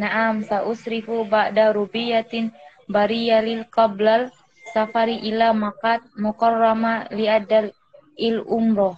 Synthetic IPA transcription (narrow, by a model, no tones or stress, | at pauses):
naʔamsaʔusɾifubaʔdaɾubijat̪in | baɾijalilkablal | safaɾiʔilamakat̪̚mukɔrːamaliad̪al | ilumɾɔh